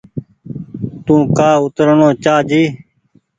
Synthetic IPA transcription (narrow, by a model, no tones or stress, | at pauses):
t̪ũːkaːʊt̪ɾəɳõːt͡ʃaːd͡ʒiː